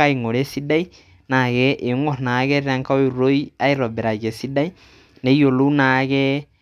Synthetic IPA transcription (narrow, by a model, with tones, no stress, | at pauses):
a˦i˨ŋo˨ɾe˦si˦da˦i˦ | na˨ɣɛʔe˨ŋo˦na˨ɣɛ˦ɾa˦ŋka˦o˦e˨ɾo˦i˦a˦e˦ɾɔ˨bɛ˨ɾa˨ɣɛ˨si˦da˦i˦ | ne˨i˦jo˨lo˦na˨ɣɛ